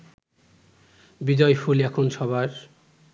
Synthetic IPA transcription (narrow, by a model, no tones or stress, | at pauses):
bid͡ʑɔjfulɛkʰonʃɔβʱaɾ